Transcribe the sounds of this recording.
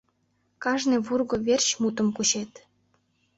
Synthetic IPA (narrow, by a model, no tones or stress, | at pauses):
kɑʒneβurɣoβert͡ɕmut̪ə̆mkuɕet̪